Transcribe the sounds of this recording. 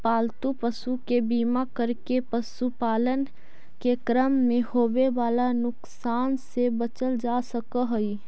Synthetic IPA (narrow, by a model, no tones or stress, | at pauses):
paːlt̪upəsukebiːmakəɾkepəsupaːlən | kekɾəmːẽhoːweʋaːlanʊksaːnsebət͡ʃəld͡ʒaːsəkəɦʊi